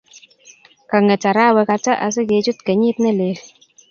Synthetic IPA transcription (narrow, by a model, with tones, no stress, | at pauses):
ka˨ŋe˨t͡ʃa˨ɾa˦˨we˨˧ka˨t͡ʃa˦ʔa̰˨s̬i˦ɡe˨˦d͡ʒu˦tke˨ɲiː˦tne˦˨leː˨